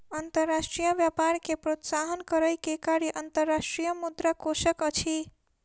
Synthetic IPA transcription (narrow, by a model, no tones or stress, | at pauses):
ənt̪əɾːasʈɾijəbjapaɾkepɾot̪saɦənkəɾəjkekaɾiʔənt̪əɾːasʈɾijəmud̪ɾakosəkət͡ʃʰi